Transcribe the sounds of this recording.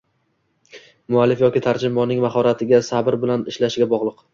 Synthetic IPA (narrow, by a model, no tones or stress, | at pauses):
mʊalːɪfjɒkʲɪt̪ʰaɾd͡ʒɪmbɒnɪŋmaχɒɾat̪ʰɪɡʲasabɪɾbɪlanɪʃlaʃɪɡʲabɒʁlˠɨq